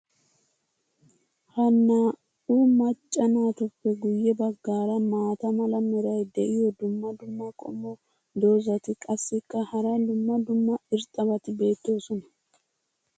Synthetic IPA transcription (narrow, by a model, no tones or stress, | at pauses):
hɐnːaː | uːmɐt͡ʃʼːɐnaːt̪ʊpːɛɡʊjːɛbɐɡːaːɾɐmaːt̪ɐmɐlɐmɛɾɐjd̪ɛʔɪjɔd̪ʊmːɐd̪ʊmːɐkʼɔ̰mːɔ | d̪o̞ːzɐt̪ɪkʼɐsːɪkːɐhɐɾɐjd̪ʊmːɐd̪ʊmːɐɪɾt̪ʼːɐβɐt̪ɪbe̞ːt̪ːo̞ːsɔnɐ